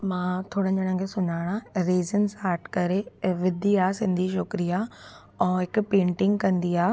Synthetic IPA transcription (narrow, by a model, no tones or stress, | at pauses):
mãːt̪ʰoːɽə̃ɲd͡ʑəɽ̃ə̃kʰesʊɲaːɽ̃aɾeːzənsaːɾʈkɐɾeʋɪd̪ʱiaːsɪ̃nd̪ʱiʃokɾia | ɛ̃ːɦɪkpẽːɳʈɪ̃ŋɡkɐ̃nd̪iaː